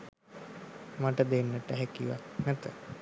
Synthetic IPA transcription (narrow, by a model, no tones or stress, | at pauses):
maʈəd̪enːəʈəɦækiʋa̰knæt̪ə